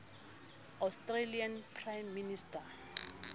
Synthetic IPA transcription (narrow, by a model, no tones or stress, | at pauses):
awstrelianpʰrajmːinista